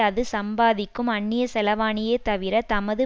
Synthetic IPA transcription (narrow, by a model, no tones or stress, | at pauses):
ɐðɯsɐmbaːðɪkːɯmɐɳːɪjɐsɛlɐʋaːnɪjeːt̪ɐʋɪɾɐt̪ɐmɐðɯ